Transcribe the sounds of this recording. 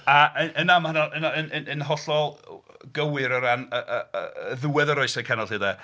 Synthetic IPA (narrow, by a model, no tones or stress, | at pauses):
aʔənənamhənɔənaənənənɦɔɬɔlˠɡəwɪɾəɾanəʔəəðuːɛðəɾɔɨsɛkʰɛnɔlˠhidɛ